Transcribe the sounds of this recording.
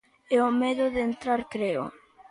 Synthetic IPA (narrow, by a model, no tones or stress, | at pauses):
ɛomɛðʊðent̪ɾaɾkɾeo̰